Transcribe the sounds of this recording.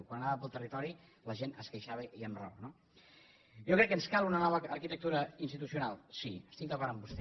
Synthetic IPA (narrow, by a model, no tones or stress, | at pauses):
kwanənaβəpəlˠt̪ərit̪ɔɾi | ləʒenəskəjʃaβəʔiəmrɔ̰βəno | jokɾɛkːənskalˠunənɔβəːɾkit̪ək̚t̪uɾəinst̪it̪usiunalˠsiəst̪iŋkəpaɾambust̪